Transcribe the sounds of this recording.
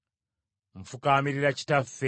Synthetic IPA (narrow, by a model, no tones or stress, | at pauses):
ɱ̩fukamiɾiɾaci̥tafːe